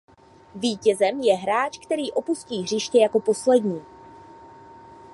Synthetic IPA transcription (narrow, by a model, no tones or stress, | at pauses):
viːcɛzɛmjɛɦɾaːt͡ʃkt̪ɛɾiːʔo̞pusciːɦr̝ɪʃcɛjako̞po̞slɛdɲiː